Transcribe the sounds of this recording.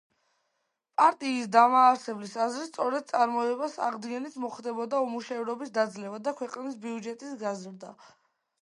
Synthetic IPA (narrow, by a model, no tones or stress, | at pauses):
pʼaɾt̪ʼiːsd̪amaːɾsɛblisazɾist̪sʼɔɾɛd̪̥̚t̪sʼaɾmɔɛbasa̰ʁd̪ɡɛnit̪ʰmɔχd̪ɛbɔd̪aumuʃɛvɾɔbisd̪ad̪zlɛvad̪akʰwɛqʼnisbiud͡ʒɛt̪ʼisɡazɾd̪a̰